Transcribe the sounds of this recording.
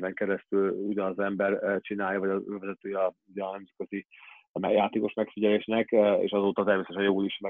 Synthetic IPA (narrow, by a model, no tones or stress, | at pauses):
vɛŋkɛɾɛst̪yluɟɒnɒzɛmbɛrt͡ʃinaːjɒvɒɟɒøːvɛzɛt̪øːjɒuɟɛnɛmzɛt̪̚køzi | mɛjaːt̪eːko̞ʃmɛkfiɟɛleːʃnɛkḛːʃɒzoːt̪ɒt̪ɛrmeːsɛʃɛnjoɡuliʃmɛ